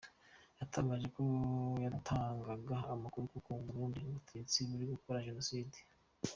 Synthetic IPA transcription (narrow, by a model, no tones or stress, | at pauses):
jatʰaβaʒe̞ko̞jatʰaːŋɡaɡaamakuɾukukuːmɡuɾuːndiuβutet͡siβuɾiɡukoɾaʒe̞nosiːdi̥